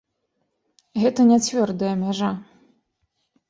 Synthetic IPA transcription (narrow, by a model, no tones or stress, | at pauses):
ɣɛt̪ɐnʲat͡sʲvʲɔrd̪ɨjɐmʲaʐa